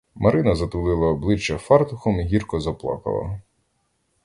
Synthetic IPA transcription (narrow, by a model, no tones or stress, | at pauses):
mɐɾɪnɐzɐt̪ʊlˠɪlˠɐɔblˠɪt͡ʃːɐfɑrt̪ʊxɔmiɦʲirkɔzɐplˠɑ̰kɐ̰lˠɐ̰